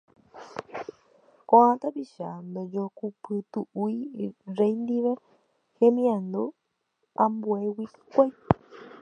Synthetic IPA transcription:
koãt̪apiʃand̪od͡ʒokupɨt̪uuiɾejnd̪iʋe | hemĩãnd̪u | ambuewikʷaj

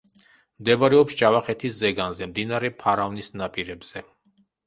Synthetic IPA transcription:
md̪ɛbaɾɛɔpst͡ʃʼavaχɛt̪ʰiszɛɡanzɛmd̪inaɾɛpʰaɾavnisnapʼiɾɛbz̥ɛ

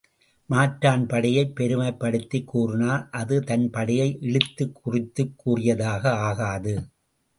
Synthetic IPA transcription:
maːʈɾaːnpɐɽɐjɐɪpːɛɾɯmɐɪpːɐɽɯt̪ːɪkːuːrɯnaːlʔɐðɯt̪ɐnpɐɽɪjɐɪʔɛɭɯt̪ːɯkʰːʊrɪt̪ːɯkːuːrɪjɐðaːɣɐaːɣaːðɯ

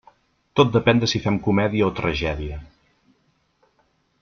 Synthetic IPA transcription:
t̪ot̪̚d̪əpɛnd̪əsifɛmkumɛðiəot̪ɾəʒɛðiə

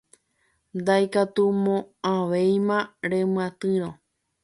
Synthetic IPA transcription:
nd̪ajkat̪umõãʋejmãɾẽmɨ̃ãt̪ɨɾ̃õ

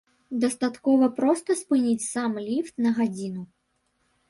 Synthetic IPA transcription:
d̪ɐst̪at̪kɔvɐpɾɔst̪ɐspɨnʲit͡sʲsamlʲift̪nɐɣad͡zʲinu

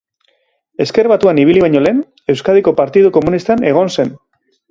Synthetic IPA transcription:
e̞ske̞ɾβat̪uaniβ̞iliβaɲo̞le̞ːn | e̞wskað̞iko̞paɾt̪ið̞uko̞munist̪ane̞ɣ̞o̞nse̞n

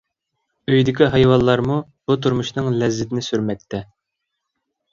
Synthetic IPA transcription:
øjd̪ɪkʲiɦɑjwɑnˠlːˠɑɾmu | b̥ut̪ʰuɾmuʃnɨŋlɛzːɪt̪ɪnɪsyɾmɛk̚ʲt̪ʰɛ

